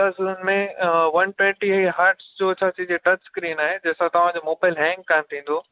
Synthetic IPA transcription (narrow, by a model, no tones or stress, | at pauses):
azʊʊnmẽʋɐnʈwẽːɳʈiɦeɦaːɾʈsd͡ʑoːt͡ɕʰaːt͡ɕid͡ʑeʈɐt͡ɕskɾiːnaːɦed͡ʑɐːsãt̪ɐʋ̤ãd͡ʑomoːbaːɪlɦɛ̃ːŋɡːant̪ʰĩːn̆d̪oː